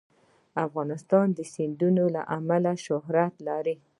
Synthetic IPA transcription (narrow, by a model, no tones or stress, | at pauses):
afɣɑnɪst̪ɑnd̪əsɪnd̪unola̰ʔamalaʃʊɦɾat̪lɑɾi